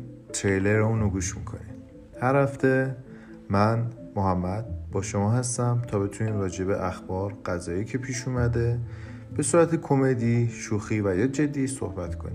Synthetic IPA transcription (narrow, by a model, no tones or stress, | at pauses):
t̪ʰɾejleɾeuːnoɡuːʃmḭkʰo̞̰ni | hæɾhæft̪e̞ | mænmoɦæmːæd̪̥̚bɒːʃo̞mɒːɦæst̪æmt̪ʰɒːbe̞t̪ʰuniːmrɒːd͡ʒe̞be̞ʔæxbɒːɾɢ̥æzɒːjiːcʰe̞pʰiːʃuːmæd̪e̞ | b̥e̞suːɾæt̪ʰekʰo̞me̞d̪iʃuːxiːvæjɒːd͡ʒe̞d̪ːiːso̰hbæt̪kʰo̞ni